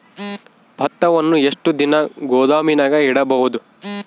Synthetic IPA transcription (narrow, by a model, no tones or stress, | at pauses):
bʱɐt̪ːɐʋɐnːueʂʈud̪inɐɡɔːd̪aːminɐɡɐiɽɐbɐɦud̪u